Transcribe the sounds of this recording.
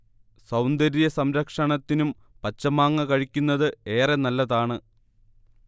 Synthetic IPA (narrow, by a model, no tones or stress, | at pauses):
sɐwnd̪ɐɾijɐsɐmɾɐkʂɐɳɐt̪ːinum | pɐt͡ɕːɐmaːŋːɐkɐɻikʲːunːɐðɨe̞ːrenɐlːɐðaːɳɨ